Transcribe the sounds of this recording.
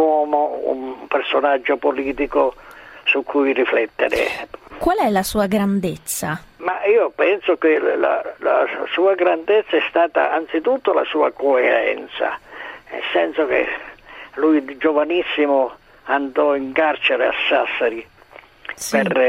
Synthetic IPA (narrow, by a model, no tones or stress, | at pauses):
ɔːmoṵmpersonad͡ʒːopoliːt̪ikosukʰːujriflɛt̪ːḛɾḛkwalɛlasuːaɡɾand̪et̪sːamaiːopɛnsokela̰la̰suːaɡɾand̪ɪt̪sːaɛst̪aːt̪a̰ant̪sit̪ut̪ːola̰suːakoeɾɛ̰nt̪sa̰nɛ̰lsɛnsok̟ḛ | lujd͡ʒovanisːimʊ | and̪ɔiŋkart͡ʃeɾea̰sːasːaɾi | pɛr